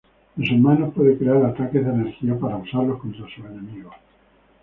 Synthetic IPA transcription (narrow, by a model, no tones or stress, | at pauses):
nosemanohpwe̞ðekɾeaɾat̪akezðene̞ɾxiapaɾausaɾlo̞hko̞nt̪ɾasue̞nẽ̞miɣo